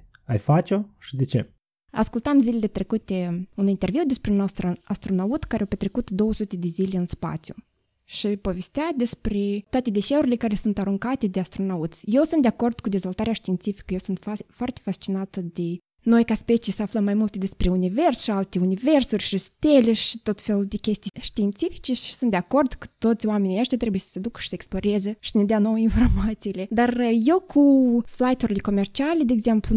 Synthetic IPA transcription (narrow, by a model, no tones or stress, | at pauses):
a̰jfat͡ʃoʃid̪et͡ʃḛ | a̰skult̪amzilele̞t̪ɾe̞kut̪eunint̪e̞rviwd̪e̞spɾenost̪ɾəast̪ɾonaut̪kaɾeawpet̪ɾe̞kut̪d̪o̞wəsut̪e̞d̪ezilʲeɨnspa̰t̪sʲju | ʃipo̞ve̞st̪ead̪e̞spɾet̪oat̪e̞d̪e̞ʃeuɾilʲe̞kaɾe̞sunt̪aɾuŋkat̪e̞d̪east̪ɾo̞naut̪sje̞wsunt̪d̪eako̞rd̪̥kud̪e̞zvolˠt̪aɾeaʃt̪iːnt̪sifi̥kəje̞wsunt̪foart̪e̥fast͡ʃinat̪əd̪e̞ | no̞jkaspet͡ʃijsəafləmːajmult̪d̪e̞spɾe̞unive̞rsʃialt̪e̞unive̞rsurʲʃist̪eleʃit̪o̞t̪felud̪e̞kʲe̞st̪ijʃt̪iːnt̪sifi̥t͡ʃe̞ʃi̥sund̪eako̞rd̪kə̥t̪o̞t̪sʲoame̞niaʃt̪ʲat̪ɾe̞bujesə̥se̞d̪ukə̥ʃi̥səeksplo̞ɾe̞zeʃi̥səned̪eano̞winfo̞rmat̪siːle̞d̪arje̞wkʰuflajt̪uɾilʲe̞ko̞mert͡ʃialʲed̪eeɡze̞mplu